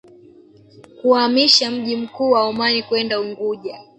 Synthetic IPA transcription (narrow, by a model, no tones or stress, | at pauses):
kuamiʃam̩ʄim̩kuːwaumanikwɛndauŋɡuʄa